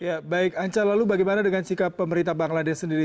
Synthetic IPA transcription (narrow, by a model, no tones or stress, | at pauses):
jabaɪkaɲt͡ʃalalubaɡajmanadəŋansikapːəməɾint̪abaŋladɛssːəndiɾi